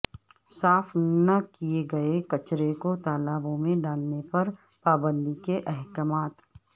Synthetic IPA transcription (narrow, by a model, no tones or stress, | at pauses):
saːfʰnɐkijeɡɐekɐt͡ʃɾekot̪aːlabõmẽɖaːlnepɐɾ | paːbə̃nd̪ikeʔɛɦkəmaːt̪